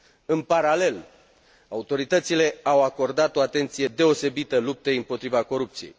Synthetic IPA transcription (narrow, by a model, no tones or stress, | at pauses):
ɨnpaɾale̞l | aut̪o̞ɾit̪ət̪sile̞awako̞rd̪at̪o̞at̪e̞nt̪sije̞d̪e̞o̞se̞bit̪əlup̚t̪eɨmpo̞t̪ɾivako̞ɾup̚t̪sije̞̰j